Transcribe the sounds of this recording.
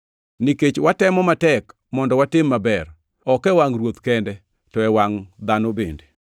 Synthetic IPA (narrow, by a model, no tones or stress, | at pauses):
niket͡ʃwatɛmɔmatɛk | mɔndɔwatɪmːabɛr | ɔkɛwaŋrwot̪kɛndɛ | tɔɛwaŋd̪anobende